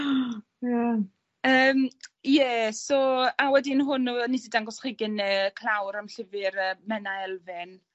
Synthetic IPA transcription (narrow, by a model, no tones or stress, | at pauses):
ja | əːmjɛsɔawɛdɪnɦʊnunisidaŋɡɔsχiːɡɪnɛkʰlˠawɾamɬɪvɪɾəːmɛnaɛlˠvɪn